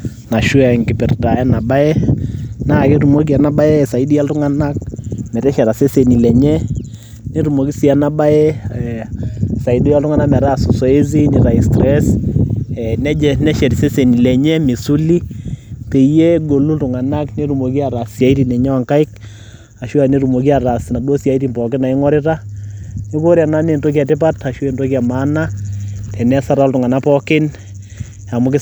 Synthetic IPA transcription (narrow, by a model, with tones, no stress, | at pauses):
na˨ʃu˦a˨ŋɡɪ˨pɪ˨rta˨ɛ˦na˨ba˦ɛ˦na˦˨ke˦ɾu˨mo˦k̬i˨a˨na˦ba˦ɛ˦˨sa˨i˦di˦ja˦ltʊ˦ŋa˨na˦k̚mɛ˨ɾɛ˦ʃɛ˨ɾa˨se˦se˨ni˨lɛ˨ɲɛ˦ | ne˦ɾu˨mo˨ki˦si˨a˨na˦ba˦ɛ˦ | sa˨i˦du˦ja˦ltʊ˦ŋa˦na˦kmɛ˨ɾa˦˨su˨sɔ˦e˦z̬i˦ni˨ɾa˨i˨stɾɛ˦s | ɛnɛ˦d͡ʒɛ˨nɛ˦ʃɛ˨ɾi˨se˦se˨ni˨lɛ˨ɲɛ˦mi˨su˦li˦pe˨je˦ɡo˨lu˦ltʊ˨ŋa˨na˦kne˦ɾu˨mo˨ki˦a˨ɾa˨sja˨˦iti˨nɛ˨ɲa˦wa˨ŋka˦ɪ˦k̚ | a˨ʃwa˨ne˦ɾu˨mo˨k̬i˦a˨ɾa˨sna˨do˦sja˨iti˨npɔ˨kɪ˦na˨ɪ˦ŋɔ˦ɾɪ˦ta˦ni˦ko˦ɾja˨na˦ne˨nto˦k̬i˦a˨tɪ˦pa˦ta˨ʃu˦e˨ndo˦kja˨ma˦na˦tʰɛ˨nɛ˦sa˦ɾaɔ˦ltʊ˨ŋa˨na˦pɔkɪ˦n | a˨mʊ˦kɪ˦